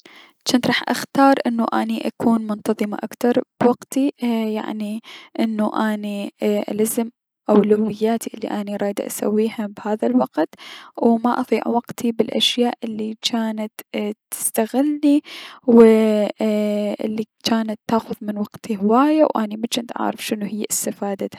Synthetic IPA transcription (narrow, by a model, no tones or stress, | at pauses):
t͡ʃaːnt̪ɾˤɑːħʔa̰xt̪ɑːɾˤʔɪnːuʔa̰ːniʔakʰuːnmʊnt̪ɑðˤɨma̰ʔakt̪ɑɾˤb̥waɡt̪ija̰ʕniʔɪnːuʔaːniʔa̰lazm | ʔawlawːɪjːaːt̪iʔɪlːḭʔaːniɾˤɑːjd̪ʔa̰sa̰wːiːhabhaːðalwɑqt̪wmaʔɑðˤiːʕwaqt̪ʰibɪlʔa̰ʃjaːʔʔɪlːikʰaːnat̪ɪ̥st̪aɣɪlniwɪ | ʔɪ̰lːit͡ʃaːnat̪ːaːxʊðmɪnwɑqt̪ʰihɪwaːjawʔaːnimat͡ʃɪnt̪ʔa̰ʕɾɪfʃɪnuhɪjːʔɪst̪afaːd̪a